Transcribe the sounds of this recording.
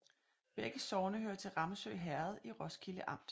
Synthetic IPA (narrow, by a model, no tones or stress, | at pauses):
ʋeɡ̥əsɒʊnəhøːɐt͡sʰe̝lʁɑ̈məsø̰ːɪɦæɐð̞̩ˠiʁɒskʰiləʔɑ̈m̰d̥